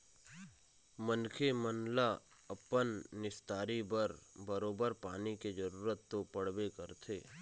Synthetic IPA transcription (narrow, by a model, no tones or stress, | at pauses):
mənkʰemənla | ɐpənːɪst̪aːɾibəɾbəɾoːbəɾpaːniked͡ʒəɾuːɾət̪ːopəɽwekəɾt̪ʰeː